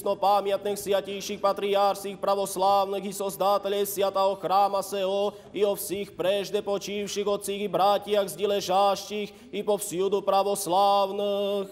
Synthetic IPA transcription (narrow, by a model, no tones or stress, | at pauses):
nɔpamɪat̪nixsjacijʃiːxpat̪ɾiaːɾxsiːxpɾaʋɔslaːʊniɣisɔzd̪aːt̪ɛʎɛsɪat̪aɦɔxɾaːmasɛɔ | iɔfsixpɾɛʒd̪ɛpɔt͡ʃiːwʃiːɣɔt͡siːɣibɾaːcɪaɣzɟilɛʒaːʃciːx | ipɔfsjud̪upɾaʋɔslaːʊnːx